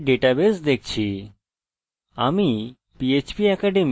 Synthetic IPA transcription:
ɖeʈabesd̪ek̚ʰt͡ɕʰi | ami | piet͡ɕpiɛkaɖem

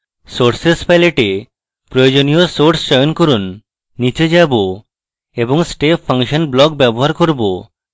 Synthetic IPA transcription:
soʈsespajleʈe | pɾojod͡ʑonijosoɾʈsʃɔjonkoɾunː | it͡ɕed͡ʑabo | eboŋsʈepʰːaŋʃonblɔk̚bɛboɦaɾkoɾbo

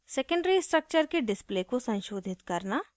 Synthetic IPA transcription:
sekə̃ɳɖɾisʈɾək̚t͡ʃəɾkeɖɪsplekosɐ̃nʃoːd̪ʱɪt̪kɐɾna

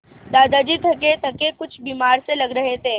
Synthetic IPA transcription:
d̪aːd̪aːd͡ʒiːt̪ʰɐk̬et̪ʰɐkekʊt͡ʃʰbiːmaːɾselɐɡɾɐɦet̪ʰeː

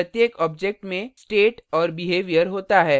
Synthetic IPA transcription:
ət̪jeːkɔːb̚d͡ʒek̚ʈmẽsʈeːʈɔːɾbɪɦeːʋijəɾɦoːt̪aɦɛː

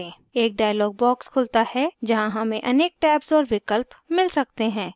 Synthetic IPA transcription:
ẽː | eːk̚ɖaːjlɔːɡ̚bɔːkskʰʊlt̪ahɛd͡ʒɐɦãɦɐmẽʔɐneːk̚ʈɛːpsɔːɾʋɪkəlpmɪlsɐk̚t̪eɦɛ̃ː

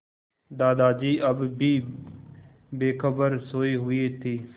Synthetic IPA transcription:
d̪aːd̪aːd͡ʒiːʔəbbiː | beːkʰəbəɾsoːiːɦʊeːt̪ʰiː

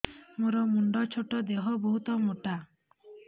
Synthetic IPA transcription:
moɾɔmuɳɖɔt͡ʃʰoʈɔd̪eɦɔbɔɦut̪ɔmoʈa

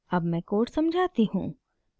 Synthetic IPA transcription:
ɐbmɛ̃ːkoːʈsɐmd͡ʒʱaːt̪iɦṵ̃ː

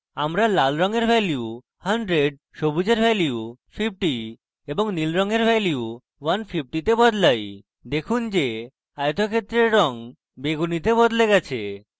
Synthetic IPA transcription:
amɾalalɾɔŋeɾbʱɛlju | haɳɖɾeɖ̚ | ʃobud͡ʑeɾbʱɛljiufʰip̚ʈi | eboŋnilɾɔŋeɾbʱɛliu | wanfʰip̚ʈit̪ebɔd̪laj | d̪ekʰund͡ʑe | ajt̪okʰet̪ːɾeɾːɔŋ | beɡunit̪ebɔd̪leɡɛt͡ɕʰe

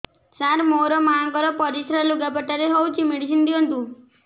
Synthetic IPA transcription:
t͡ʃaɾmoɾɔmaŋkɔɾɔpɔɾisɾaluɡapaʈaɾeɦowt͡ʃʰimeɽis̬ind̪iɔnt̪ũ

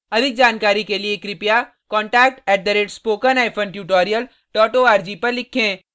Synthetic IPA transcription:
ɐd̪ʱɪk̚d͡ʒaːnkaːɾikeliekɾɪpja | kɔ̃ːɳʈɛːk̚ʈɛːʈ̚d̪ɐɾeːʈspoːkənaːɪpʰə̃nʈjuːʈɔːɾijəl | ʈɔːʈoaːɾd͡ʒiːpɐɾlɪkʰːẽː

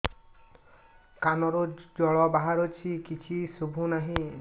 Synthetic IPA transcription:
kanɔɾod͡ʒɔɭɔbaɦaɾɔt͡ʃʰikit͡ʃʰisubʱunaɦĩ

